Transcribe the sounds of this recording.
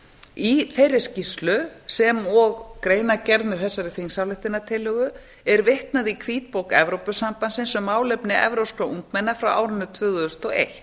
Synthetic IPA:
iθejɾɪscist̪lʏsɛmɔɣkɾeːjnacɛɾðnʏθɛsːaɾɪθiŋsawlɪht̪ɪnːat̪ʰɪlœːɣʏ | ɛɾvɪht̪naðikʰviːt̪̚powkɛ̰vɾowpʏsampansɪnsɛmːaːwlɛpnɪʔɛ̰vɾowskɾaʔuŋt̪mɛnːafɾawʔa̰ːwɾʏnːʏt̪ʰvʏːðʏʏst̪ɔɣḛjht̪

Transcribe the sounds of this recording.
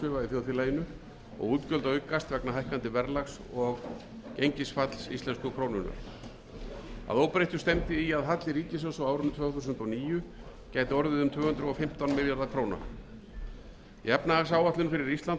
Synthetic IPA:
ɪvaiθjoːθɪlaːjɪnʏ | ɔ̰ɣuːt̪cœlt̪aʏɥkːast̪vɛknaɦajhkant̪ɪvɛɾlaxsɔɣ | cejɲcɪsfat̪l̥sḭst̪ɛnskʏkʰɾoːwnʏna̰ɾ | a̰ðowpɾejht̪ʏst̪ɛmt̪ɪiaðɦat̪lɪɾiːcɪsɔsawaːwɾʏnʏt̪ʰvœːɣθuːs̬ʏnt̪ɔniːjʏ | caːjt̪ɪɔɾðɪðʏmt̪ʰvœːhʏnt̪ɾʏɔfɪm̥t̪anmɪljaɾðakʰɾoːwna̰ɾ̥ | jɛpnaːs̬aːwaht̪ɪnfɪɾɪɾist̪lant̪

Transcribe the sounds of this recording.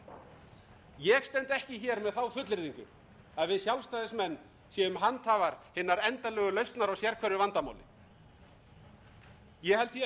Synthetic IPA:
jɛɣst̪ɛnt̪ɛhcɪçɛɾmɛðθawfʏt̪lɪɾðiŋkʏ | aðvɪðsjawlst̪aːjðɪsmɛnː | sjɛʏmɦant̪ʰhaːvaɾ̥hɪnːaɾɛnt̪alœːɣʏlœɥst̪naɾawsjɛɾkʰvɛɾʏvant̪ama̰wlɪ̰ | jɛhɛlt̪çɛ

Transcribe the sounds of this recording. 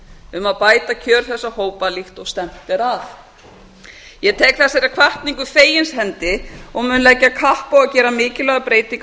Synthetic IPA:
ʏmaðpaːjt̪acʰœːɾ̥θɛsːahoːwpalixt̪ɔɣst̪ɛm̥t̪ɛɾaθ | jɛt̪ʰɛːkθasaɾakʰvaht̪niŋkʏfeːjɪnshɛnt̪ɪɔɣmʏːnlɛcːakʰahpawacɛːɾamɪːcɪlɛɣapɾeːjt̪iŋk

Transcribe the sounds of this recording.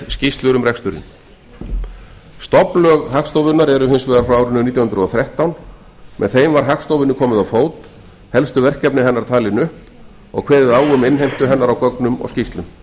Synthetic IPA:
scist̪lʏɾʏmɾɛkst̪ʏɾɪ̰n | st̪ɔplœɣhakst̪owvʏnaɾɛɾʏɦensvɛːðaɾfɾawawɾʏnːʏnit̪jwhʏnd̪ɾʏɔθɾɛht̪awn | mʔɛ̰nθejmvaɾ̥ɦakst̪owvɪnːʏkʰɔːmɪðawfoːwt̪ | hɛlst̪ʏvɛr̥cɛpnɪɦɛnːaɾ̥t̪ʰaːlɪnʏhp | ɔ̰ɣkʰvɛːðɪðaːwʏmɪnɦejm̥t̪ʏɦɛnːaɾawkɔknʏmɔ̰ɣscist̪lʏm

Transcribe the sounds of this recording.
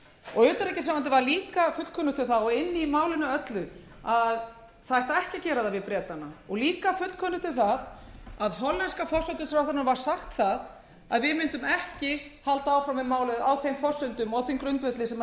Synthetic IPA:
ɔɣʏːt̪aɾɛcɪ̥saːvant̪̬ɪvaɾliːkafʏt̪kʰœːnʏt̪ʰɪlθaðɔɣɪnːimaːwlɪnʏœt̪lʏ | að | θaɛht̪aɛhcɪcɛːɾaðavɪðpɾjɛːt̪anaɔɣliːkafʏt̪kʰɔːnʏ̥t̪ʰɪlθaðaðɦɔɾlːɛnskafɔr̥sʏnt̪ɪsɾawθanʏɾvaɾ̥saxt̪θað | aðvɪðmɪnt̪ʏmɛhcɪhalt̪aawfɾamɪmaːwlʏðawθejmfɔr̥sʏnt̪ʏmawθejmkɾʏnt̪vɛt̪lɪsɛm

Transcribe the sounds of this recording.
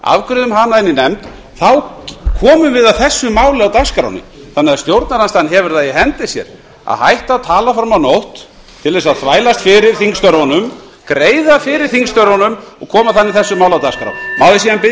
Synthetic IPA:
a̰vkɾʏðʏmɦanːaɪninɛmt̪ | θawkʰɔːmʏvɪðaðθɛsːʏmaːwlɪawt̪askɾa̰wnɪ̰θanːɛaðst̪jowɾt̪naɾhanst̪anːɦɛvʏɾ̥θaðjɪɦɛnt̪ɪsjɛ̰ɾ | a̰ðhajht̪aːt̪ʰaːlafɾamawnowht̪ | t̪ʰɪlɛsaðθvaːjlast̪fɪɾɪɾ̥θiŋst̪œɾɔnʏm | kɾeːjðafɪɾɪɾ̥θiŋkst̪œɾɔnʏmɔɣkʰɔːmaθanːɪθɛsːʏmaːwlawt̪askɾa̰wnmawðɪsiðanpɪ

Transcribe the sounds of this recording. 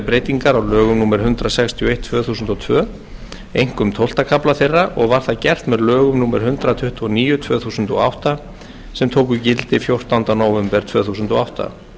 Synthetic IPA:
pɾejt̪iŋkaɾawlœːɣʏmnuːmɛɾɦʏnt̪ɾasɛkst̪ʰiɔejt̪ʰvœːθuːsʏnt̪ɔt̪ʰvœː | ejŋ̥kʏmt̪ʰowl̥t̪akʰaplaθejrːaʔɔɣvaɾ̥θacɛr̥t̪mɛðlœːɣʏmnuːmɛɾ̥ɦʏnt̪ɾat̪ʰʏht̪ʰvɔɔniːjʏt̪ʰvœːθuːsʏnt̪ɔ̰awht̪a | sɛmt̪ʰoːwk̬ʏcɪlt̪ɪfjowr̥t̪awnt̪anawvɛmpɛɾ̥t̪ʰvœːθuːsʏnt̪ɔawht̪a̰

